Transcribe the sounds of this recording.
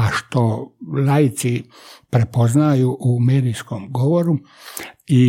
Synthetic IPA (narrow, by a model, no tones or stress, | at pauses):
aʃt̪o̞lajit̪si | pɾepo̞znajuʔumed̪ijskomɡo̞ʋoɾu | i